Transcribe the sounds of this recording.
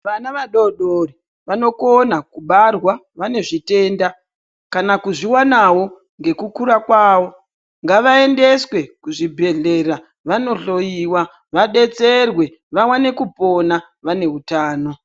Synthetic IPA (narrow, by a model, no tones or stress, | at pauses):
ʋanaʋaɗoɗori | ʋano̞konakuɓarwa | ʋane̞ʐite̞ːnda | kanakuʐiwanawo̞ | ŋɡe̞kukuɾakwaːwo̞ | ŋɡaʋae̞nde̞swe̞kuʐibʱe̞ɮe̞ra | ʋano̞ɬo̞jiːwa | ʋaɗe̞t͡se̞rwe̞ | ʋawane̞kupo̞na | ʋane̞ɦutaːno̞